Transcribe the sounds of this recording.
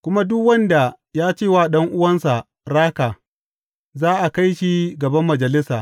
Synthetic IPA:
kʷʊ˦ma˦dʊ˦kwɐ˦nda˨ | jaː˦t͡ʃeː˦˨waː˦˨ɗɐ˦ŋʔʊ˦wɐ˦nsa˨ | ɾaː˦kaː˨ | zaː˦ʔa˨ka˦jʃi˦ɡɐ˨bɐ˦mːɐ˨d͡ʒɐ˨lɪ˦saː˨

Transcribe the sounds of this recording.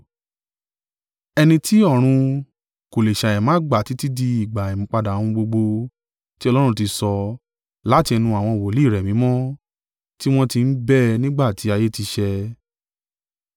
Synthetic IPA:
ɛ˧nĩ˧ti˦ɔ˦˨ɾ̃ũ˧ | ko˨le˨ʃa˨ɛ̃˨mãː˨˦ɡ͡ba˨ti˨˦ti˦di˧i˨ɡ͡ba˨i˨mĩ˨˦k͡pa˧da˨w̃ũ˧ɡ͡bo˧ɡ͡bo˧ | ti˦ɔ˧lɔ˦ɾ̃ũ˧ti˧sɔ˧ | la˦˨ti˧ɛ˧nũ˧a˨w̃ɔ̃˧˨wo˨li˦˨ɾɛ˨mĩ˨˦mɔ̃˦ | ti˦w̃ɔ̃˦ti˧n̩˦bɛ˦˨nĩ˦ɡ͡ba˦˨ti˨˦a˧je˦ti˧ʃɛ˧

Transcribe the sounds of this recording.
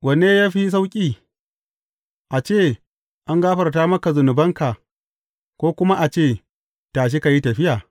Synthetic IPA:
wɐ˨neː˦jaː˦ɸi˦s̬a˦wkʲʼiː˦ | ʔa˨t͡ʃeː˦˨ | ʔa˦ŋɡaː˦ɸɐ˨rtaː˦mɐ˦ka˨zʊ˨nʊ˨bɐ˦ŋka˨ | kʷoː˦kʷʊ˦ma˦ʔa˨t͡ʃeː˦˨ | taː˨ʃ̬e˦ka˨ji˦tɐ˨ɸɪ˦jaː˨

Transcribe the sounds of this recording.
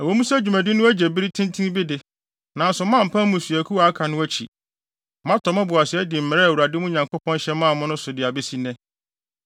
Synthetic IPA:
æ˨o˦mũ˦sæ˦d͡ʑᶣu˨mæ̃˨dɪ˦nʊ̃˦æ˦d͡ʑɛ˨bi˦ɾi˦tʰɪ̃˦n˦tʰĩ˦n˦bi˦dɪ˨ | nã˨n̩˦sʊ˨mã˦˨m̩˨pʰã˦mũ˨su˨æ˨kʰu˦wa˨a˦kʰa˨nʊ̃˦æ˦t͡ɕʰḭ˨˦ | mã˦tʰɔ˨mã˦bʊ˨a˨sɪ˨˦ɛ˦dɪ˨m̩˨mɛ˨ɾɛ˦˨wu˨ɾa˨dɪ˦mʊ̃˦ɲã˨ŋkʰo˦pʰɔ̃˦n˦ɕɛ˦mːã˦˨mʊ̃˦nʊ̃˦sʊ˨dɪ˨a˨bɛ˦si˦nɛ̃˦

